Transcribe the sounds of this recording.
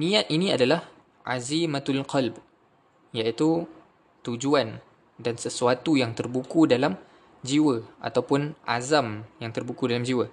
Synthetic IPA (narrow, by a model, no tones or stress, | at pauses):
nĩat̪̚inĩadalah | ʔazimat̪alqʰalb | jait̪u | t̪ud͡ʒuan | dansəsuat̪ujaŋt̪ərbukudalam | d͡ʒiwəʔa̰t̪awpʊnʔa̰zamjaŋt̪ərbukudalamd͡ʒiwə